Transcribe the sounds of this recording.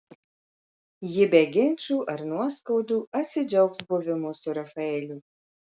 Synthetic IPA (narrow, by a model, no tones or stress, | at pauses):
jɪbʲɛɡʲɪnʲt͡ʃʲuːʔɐɾnuɔskɐʊd̪uːɐt̪ʲsʲɪd͡ʒʲɛʊksbʊʋʲɪmʊsʊɾɐfɐɛːlʲuː